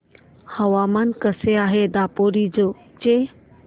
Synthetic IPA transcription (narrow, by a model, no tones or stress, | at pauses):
hɐʋaːmankəseaːɦed̪aːpoːɾid͡ʑoː | t͡ʃe